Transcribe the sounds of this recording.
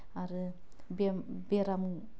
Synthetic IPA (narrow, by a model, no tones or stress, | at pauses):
aɾɯ | bebeɾamu